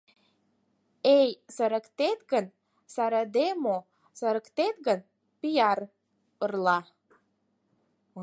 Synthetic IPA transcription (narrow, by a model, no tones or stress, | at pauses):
ejsə̆ɾə̆kt̪et̪ɡən | sɑɾɑd̪emo | sə̆ɾə̆kt̪et̪ɡən | pijɑɾ | ərlɑ